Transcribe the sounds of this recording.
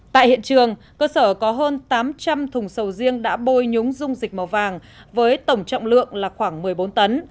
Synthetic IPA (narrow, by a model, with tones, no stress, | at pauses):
t̪a̰ː˧˨hḭ˧˨ənt͡ɕɨ˨˩əŋ | kəː˧səː˧˩kɔ˨˦ɦəː˧nt̪aː˨˦mt͡ɕa˧mt̪ʰʊ˨˩ŋ͡msə˨˩wzi˧əŋɗa̰ː˧˥ɓo˧jɲʊ˨˦ŋ͡mzʊ˧ŋ͡mzi˨˩k̚məː˨˩wvaː˨˩ŋ | vəː˨˦jt̪ə˧˩wŋ͡mt͡ɕɔ̰˧˨wŋ͡mlɨ̰˧˨əŋlaː˨˩xwaː˧˩ŋmɨ˨˩əjɓo˨˦nt̪ə˨˦n